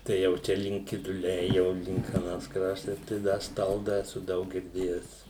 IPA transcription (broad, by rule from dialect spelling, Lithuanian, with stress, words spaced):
ˈtɐɪ jɛʊ ˈt͡ʃʲɛ lʲɪŋk kʲɪdʊˈlʲɛɪ jɛʊ ˈlʲɪŋk ɐˈnɐs ˈkrɑːʃtɐs tɐɪ ˈdɐ ˈstɐlˠdɐ ɛˈsʊ ˈdɐʊk ɡʲɪrʲˈdʲeːjɛs